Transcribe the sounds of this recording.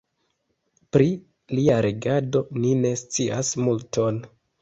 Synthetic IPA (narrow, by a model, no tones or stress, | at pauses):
pɾi | liaɾeɡado̞nine̞st͡siasmultʰo̞n